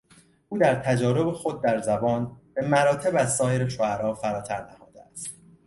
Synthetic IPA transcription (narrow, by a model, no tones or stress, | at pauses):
ʔuːd̪æɾt̪ʰæd͡ʒɒːɾo̞bexo̞d̪̚ːæɾzæbɒːnb̥e̞mæɾɒːt̪ʰe̞bæzsɒːje̞ɾeʃoæɾɒːfæɾɒːt̪ʰæɾnæhɒːd̪eæst̪